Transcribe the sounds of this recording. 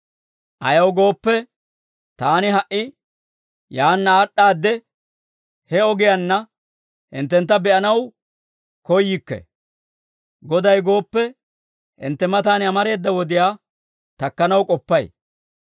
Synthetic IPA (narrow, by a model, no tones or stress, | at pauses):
ʔɐjɐwɡo̞ːpːɛ | t̪aːnɪɦɐʔɪ | jaːnːaːɗːaːd̪ːɛ | hɛɔɡɪjanːɐ | hɪnt̪ːɛnt̪ːɐbɛʔɐnɐw | kɔjːɪkːɛ̰ | ɡɔd̪ɐjɡo̞ːpːɛ | hɪ̰nt̪ːɛmɐt̪aːnɪɐmɐɾe̞ːd̪ːɐwɔd̪ɪjaː | t̪ɐkːɐnɐwkʼɔpːɐj